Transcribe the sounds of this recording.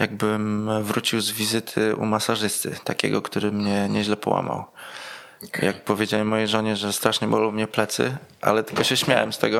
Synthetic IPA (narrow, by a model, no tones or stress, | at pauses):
jaɡ̚bɘmvɾut͡ɕiwzvʲizɘt̪ʰɘʔṵmasaʐɘst̪ɘ̰t̪akʲɛ̰ɡɔkt̪uɾɘmɲɛɲɛʑlɛpɔwa̰ma̰w | jak̚pɔvʲjed͡ʑawimːɔjiʐɔɲɛʐɛst̪ɾaʂɲɛbɔlɔmɲɛplɛt̪sɘ̰ʔa̰lɛt̪ɘ̥lkɔɕɛɕmʲjawɛmst̪ɛɡɔ